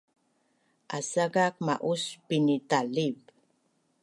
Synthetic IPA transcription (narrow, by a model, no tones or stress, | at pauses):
ʔasaɡak̚ma̰ʔuspinitaliv